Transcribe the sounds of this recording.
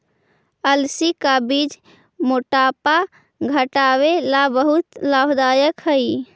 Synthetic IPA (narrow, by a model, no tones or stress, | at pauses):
əlsikabid͡ʒ | moʈapa | ɡʱəʈawelabəɦut̪labd̪ajəkɦəj